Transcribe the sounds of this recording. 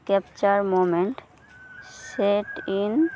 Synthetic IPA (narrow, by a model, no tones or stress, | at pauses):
kɛpt͡ɕəɾmomẽɳʈ | seʈin